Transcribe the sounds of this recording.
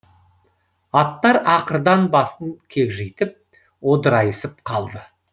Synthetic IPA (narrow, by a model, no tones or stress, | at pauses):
ɑt̪ːɑɾɑqəɾd̪ɑnbɑsəŋkʲʰekʒejt̪ɪp̚ | wo̞d̪əɾɑjəsəp̚qʰɑlˠd̪ə